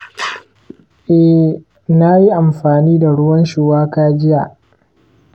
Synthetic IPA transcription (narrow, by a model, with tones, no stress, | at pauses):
ʔɛ˦ | na˦ji˦ʔa˨mɸaː˨niː˦da˨ɽʊ˦wɐ˦nʃoː˨waː˦kaː˦d͡ʒɪ˦ja˨ʔ